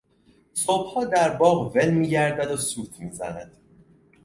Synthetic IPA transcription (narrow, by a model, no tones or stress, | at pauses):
sob̥hɒːd̪æɾbɒːʁvelmiːɟæɾd̪æd̪osuːt̪ʰmiːzæ̰næd̪̥